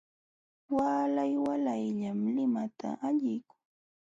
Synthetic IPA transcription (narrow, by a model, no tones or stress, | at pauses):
waːlajwalajʎamlɪmat̪ʰa̰ʔaʎɪjkʊŋ